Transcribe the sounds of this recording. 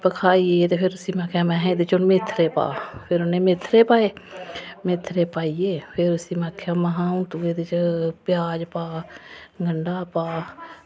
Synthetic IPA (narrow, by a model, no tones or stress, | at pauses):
pəkʰaːieːt̪eːpʰɪɾʊsiːmãːkʰjaːmɛ̃ːɦẽːd̪ɪt͡ʃʊnmɪt̪ʰːɾeːpa̰ːpʰɪɾʊnẽːmɪt̪ʰːɾeːpaːeːmɪt̪ʰːɾeːpaːieːpʰɪɾʊsiːmaːkʰjaːməɦãːũːt̪uːeːd̪ɪt͡ʃpɪjaːd͡ʒpaːɡʱəɳɖaːpaː